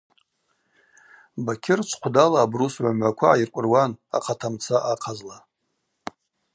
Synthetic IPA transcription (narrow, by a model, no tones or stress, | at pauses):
bakʲʰɪrt͡ʃʷʰqʷʰdalaːbrusʕʷamʕʷakʷʰaːirkʷʼʊrwana̰qʰatʰamt͡sʰaʔaqʰazla